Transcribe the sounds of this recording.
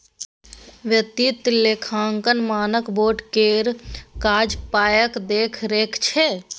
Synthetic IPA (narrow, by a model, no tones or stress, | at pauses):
ʋjət̪it̪lekʰaːŋkənmaːnəkboːʈkeːɾkaːd͡ʒpaːjəkd̪eːkʰɾeːkʰt͡ʃʰe